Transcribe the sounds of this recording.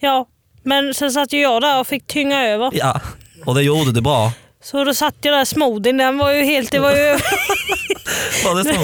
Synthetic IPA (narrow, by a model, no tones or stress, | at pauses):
jɑː | mɛnsɛns̬at̪ːəjʊjɑːd̪æɾɔfɪk̚ːt̪ʰʏŋːaøːvəɾjaɔd̪ɛjuːd̪əd̪ɛbɾɑː | sɔd̪ɔsat̪ːəjad̪æɾsmuːd̪ɪnd̪ɛnvɑɾjɵɦeːlt̪̚d̪ɛvaɾjʉøː | ɑd̪ɛs